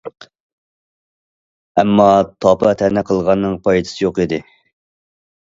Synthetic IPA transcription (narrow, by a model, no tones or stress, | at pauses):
ɛmːɑt̪ʰɑpʰɑt̪ʰɛnɛqʰəlˠʁɑnːɨŋpʰɑjt̪ʰɨ̥sɨjoqid̪ɪ